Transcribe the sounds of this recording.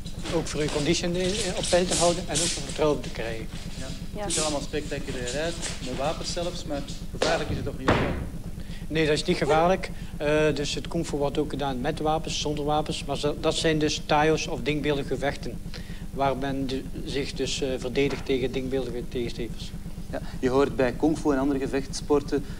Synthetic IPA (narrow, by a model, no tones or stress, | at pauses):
oːkfʊːrykɔnditsinɔpːɛjltəɦʌwdənɛnoːkfoːɹvərtrɔwəntəkrɛjɣə | ɪzɑlˠəmalˠspɛk̚takylɪːənɛmɛtʋaːpənsɛləfsmɛtxəvaːrləkɪsətɔxnitː | neːdɑtɪsnitxəvaːrlək | ədɵsɦətkɔŋfuʋɔrtoːkxədaːnmɛtʋaːpənsːɔndərʋaːpənsmaːrdɑtsɛjndɵstaːjosɔfdɪŋk̚bɪlˠdəɣəvɛxtən | ʋaːrmɛnzɪxdɵsvərdeːdəxtːeːɣəndɪŋ̚bɪːlˠdəɣəteːɣəsteːvəsjajəɦoːrtbɛjkɔŋfuɛnɑndərɾəɣəvɛxtspɔrtə